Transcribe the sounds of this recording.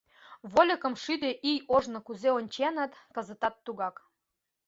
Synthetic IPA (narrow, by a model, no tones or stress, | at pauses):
βolʲə̆kə̆mʃyd̪eʔijoʒnŏkuzeonʲt͡ɕenə̆t̪kə̆zə̆t̪ɑt̪ːuɣɑk